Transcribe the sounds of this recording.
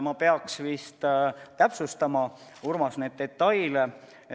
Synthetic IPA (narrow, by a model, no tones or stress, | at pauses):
mɑpe̞ɑksvist̪t̪æpsust̪ɑmɑ | urmɑsned̪̚ːe̞t̪ːɑjle